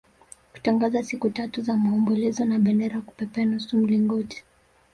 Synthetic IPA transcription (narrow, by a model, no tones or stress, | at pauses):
ku̥taŋɡazasikutatuzamaɔmbɔlɛzɔnaɓɛndɛɾaku̥pɛpɛnusum̩liŋɡɔti̥